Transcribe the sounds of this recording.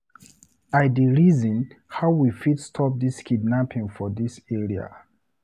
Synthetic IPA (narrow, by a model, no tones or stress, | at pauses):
adiɹizɔ̃nhaʊwifitstʰɔp̚diskʰidnapʰĩŋfɔdisɛɹia̰